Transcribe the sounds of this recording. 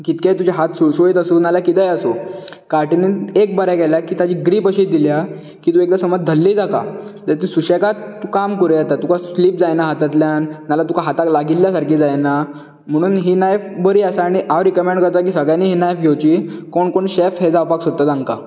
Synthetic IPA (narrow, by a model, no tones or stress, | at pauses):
kit̪ket̪ud͡ʑaɦat̪susoɭiːt̪əsuːnalakit̪ɛjəsokaɾʈineek̚bəɾakɛljakiːt̪ad͡ʑiːɡɾiːpəɕiːd̪ilja | kiːt̪ũːek̚d̪asəməd͡zd̪ʱəlːiːd͡zaka̰t̪əɾt̪isuɕekat̪ːukamkuɾejat̪at̪ukasliːp̚d͡zajnaɦat̪at̪ljannːalat̪ukaɦat̪aklaɡiljasaɾkiːd͡zajna | m̤əɽ̃uːnɦiːnajfbəɾiːəsaːɽ̃iʔaʋɾikəmẽɳɖkəɾt̪ak̬iːsəɡɭjaniːɦiːnajfɡʱewt͡ɕiːkoɳkoɳɕefɦed͡zawpaksot̪ːat̪ãŋɡka